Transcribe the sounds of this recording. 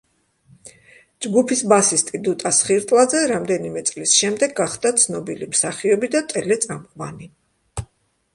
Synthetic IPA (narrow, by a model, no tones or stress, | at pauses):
d͡ʒɡupʰisbasist̪ʼid̪ut̪ʼasχiɾt̪ʼlˠad̪zɛɾamd̪ɛnimɛt̪sʼlisʃɛmd̪ɛɡːaχd̪at̪sʰnɔbilimsaχiɔbid̪at̪ʼɛlɛt̪sʼamqʼvani